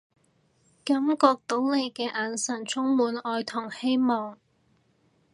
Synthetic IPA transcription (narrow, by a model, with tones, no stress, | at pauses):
kɐ˨˥mkɔː˧k̚t̪o˨˥wle˨˧jkɛː˧ʔaː˨nsɐ˨˩nt͡sʰʊ˥ŋmuː˨˥nɔː˧jt̪ʰʊ˨˩ŋhe˥jmɔː˨ŋ